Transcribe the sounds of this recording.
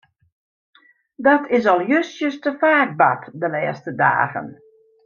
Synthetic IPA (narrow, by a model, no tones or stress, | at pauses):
dɔtʰɪsɔlˠjøsjəstəfaːk̚ba̰tdəlɛːstəda̰ːɣə̰n